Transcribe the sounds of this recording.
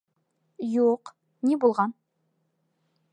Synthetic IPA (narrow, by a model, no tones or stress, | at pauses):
juq | nebulˠʁɑn